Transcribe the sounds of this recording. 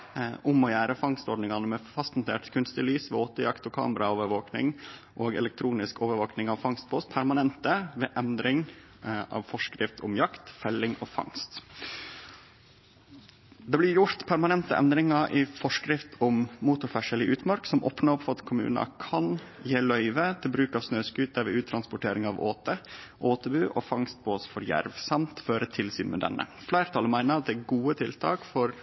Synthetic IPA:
ʔʊmɔjæːɾəfɑŋst̪ɔɾɖɳɪŋɑnəmɛfɑst̪nʊt̪ʰeːʈkʰʉnst̪ɪlyːsʋɛoːt̪əjɑkt̪ɔkʰɑ̰ːməɾʔɑoːʋəɾʋoːknɪ̰ŋ | ʔoːɡɛ̰lɛk̚t̪ʰɾuːnɪskoːʋəɾʋoːknɪŋɑʋfɑŋst̪̚pʰoːspʰæɾmɑnɛnt̪əʋeːʔɛnd̪ɾɪŋ | ɑ̰ːʋfɔʂkɾɪft̪ʰʊmjɑkt̪fɛlːɪŋɔːfɑ̰ŋst̪ | d̪ɛblɪɾjʊɾt̪pʰæɾmɑnɛnt̪əʔɛ̰nd̪ɾɪŋɑɾʔɪfɔʂkɾɪft̪ʰɔmmut̪ʊɾfæʂəlɪʔʉːt̪mɑɾksɔmʔo̰ːpnəɔpfɔɑt̪kʰʊmʉ̰ːnɑ̰kʰɑnjeːlœʏʋət̪ʰɪlbɾʉːkɑːʋsnøːskʉːt̪̚d̪æɾʋɛʉːt̪ʰɾɑnspʊʈeːɾɪŋɑʋo̰ːt̪əʔoːt̪əbʉːʔofɑŋst̪̚pʰoːsfɔɾjæ̰ɾʋsɑmt̪føːɾət̪ʰɪlsy̰ːnmɛ̰d̪ɛ̰nːə̰ | flæɪɾət̪ʰɑlmæɪnəɾɑt̪̚d̪ɛæɡuːət̪ʰɪlt̪ʰɑ̰ːkfɔɾ

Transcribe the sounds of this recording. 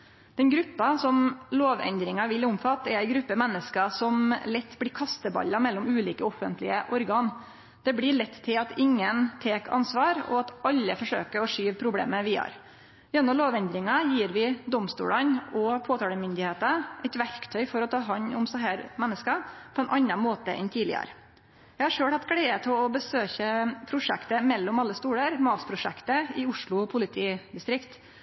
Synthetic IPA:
d̪̥ɛnɡɾʉpːɑsɔmloːʋɛ̰nd̪ɾɪŋɑʋɪlʊmfɑt̪ːɛɾæɪɡɾʉpːəmɛnːəskɑsɔmlɛt̪ːblɪɾkʰɑst̪əbɑ̰lːɑmɛlːɔmʉːliːkəɔfənt̪lɪəʔɔɾɡɑːn | d̪̥ɛblɪɭɛt̪ːt̪ʰːɪlɑt̪ɪŋːənt̪ʰeːkʰɑ̰nsʋɑːɾɔ̰ɑt̪ɑlːəfɔʂø̰ːkəɾɔʂyːʋpʰɾʊblḛːməʋɪːɑ̰ɾ | jɛnːɔmloːʋɛnd̪ɾɪŋɑjiːɾʋɪd̪ɔmst̪ṵːɽənɔpʰoːt̪ʰɑːləmʏnd̪ɪheːt̪əʔɛɪt̪ʋæɾkt̪ʰœʏfɔɾɔt̪ʰɑːɦɑɲːʊmsɑɦæːɾmɛnːəskɑpʰɔɛnʔɑnːɑnmoːt̪ə̰ʔɛ̰nt̪ʰiːlɪ̰ə̰ɾə | jɛɪhɑɾʂøːɽhɑt̪ːkʰɽeɪət̪ʰɔɔbəsøːçəpʰɾʊʂɛkt̪əmɛlːɔmɑlːəst̪uːɽəɾmɑːspʰɾʊʂɛkt̪əɪʊʂɭʊɔpʰʊlɪt̪ʰiːd̪ɪst̪ɾɪkt̪

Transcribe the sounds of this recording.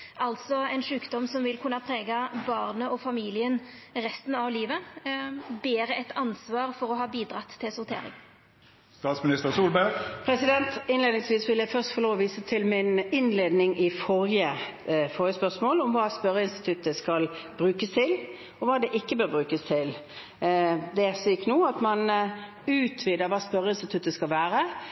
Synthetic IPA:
ʔɑlt̪sɔɛɪnʂʉːkd̪ɔmsɔmʋɪlkʰʉnːɑpʰɾeːɡɑbɑːʁnəʔɔfɑmiːlɪənʁɛst̪n̩ɑʋliːʋə | beːɾəʔɛt̪ɑnsʋɑːɾfɔɾɔɦɑːbiːd̪ɾɑt̪ʰːɪlsʊʁt̪ʰḛːɾɪ̰ŋ | st̪ɑːt̪smɪnɪst̪əʁsuːlbæɡpʰɾɛsɪd̪ɛnt̪ɪnleːd̪nɪŋsʋiːsʋɪljæɪfœʁst̪fɔʁloːʋɔʋiːsət̪ʰɪlmɪnɪnleːd̪nɪŋʔɪfɔɾjəfɔʁjəspœʂmoːlɔmʋɑːspœɾəɪnst̪ɪt̪ʰʉt̪ːəskɑlbɾʉːkəst̪ʰɪl | ɔʋɑːd̪ɛʔɪkːəbøːɾbʁʉːkəst̪ʰɪl | d̪ɛskːnuːɑt̪mɑn | ʉːt̪ʰʋiːd̪əɾʋɑːspœɾəɪnst̪ɪt̪ʰʉt̪ːəskɑlʋæːɾə

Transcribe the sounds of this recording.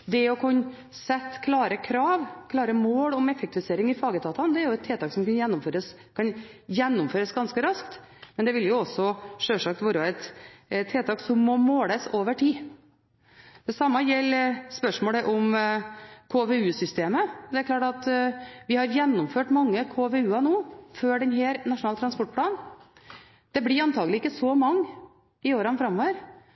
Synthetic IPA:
d̪ɛɔkʰʉnː | sɛt̪ːkʰlɑːɾəkʰɾɑːʋkʰlɑːɾəmoːlɔmɛfɛkt̪ɪʋɪseːɾɪŋɪfɑːɡəd̪ʰɑːt̪ɑnd̪ɛæɾjʊɛt̪ʰːeːt̪ʰɑːksɔmkɑnjɛnːʊmføːɾəs | kʰɑnjɛnːʊmføːɾəsɡɑnskəɾɑskt̪mɛnd̪ɛʋɪljʊɔsːɔʂøːʂɑk̚t̪ʋuːɾɑɛt̪t̪ʰːeːt̪ʰɑːksɔmːɔmoːləsoːʋəʈʰiː | d̪̥ɛsɑmːɑjɛlːspœʂmoːɽəʔɔm | kʰoːʋeʉːsʏst̪eːməɔd̪ɛæɾkʰlɑːʈɑt̪ʋɪhɑɾjɛnːʊmføːʈmɑŋːəkʰoːʋeːʉːɑnuːføːɖɛnɦæːɾnɑʂʊnɑːlt̪ʰɾɑnspɔʈ̚ːpʰlɑːn | d̪̥ɛblɪɾɑnt̪ʰɑːɡlɪɪkːəsɔmɑŋː | ɪoːɾɑnfɾɑmːoːʋəɾ

